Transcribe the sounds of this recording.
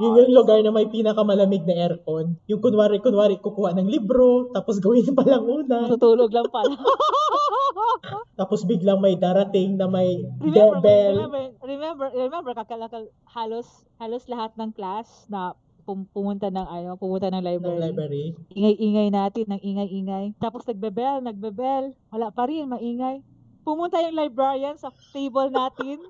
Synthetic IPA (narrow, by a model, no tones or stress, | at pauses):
jʊŋjʊŋlʊɡaɹnɐmɐjpiːnɐkɐmɐlɐmɪɡ̚nɐʔɛɾkonjʊŋkʊnwaːɾikʊnwaːɾiʔkʊkuːhaʔnɐŋlibɾo̞t̪aːposɡɐwɪnpɐlɐŋʔuːnɐʊt̪uːloɡlɐŋpɐ | t̪aːposbɪɡlaŋmɐjd̪aːɾɐt̪ɪŋnɐmɐjd̪ɛbɛlɹɛmɛmbɛɹɛmɛmbɛɾkɐkɐlɐkɐl | haːlos | haːloslɐhat̪̚nɐŋklas | nɐ | pʊpʊmʊnt̪anɐŋʔɐjopʊmʊnt̪anɐŋlajbɾɛɾajbɛɾiʔiŋɐjʔiːŋɐjnaːt̪ɪnːɐŋʔiːŋɐjʔiːŋɐjt̪aːposnɐɡ̚bɛbɛlnɐɡ̚bɛbɛlwɐlaʔpɐɾɪnmɐʔiːŋɐj | pʊmʊnt̪ajʊŋlajbɹɛɹijɐnsɐ | t̪ejbɐlnaːt̪ɪn